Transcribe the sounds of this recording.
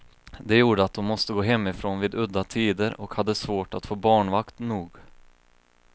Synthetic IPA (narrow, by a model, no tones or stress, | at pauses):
d̪ɛjuːɖəat̪̚d̪ɔmːɔst̪əɡoːɦɛmːɪfɾoːnviːd̪ɵd̪ːat̪ʰiːd̪əɾɔkhad̪ːəsvoːʈat̪foːbɑːɳvakt̪nuːɡ